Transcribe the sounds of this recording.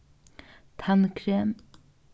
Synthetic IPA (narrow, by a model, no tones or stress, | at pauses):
t̪ʰankʰɾem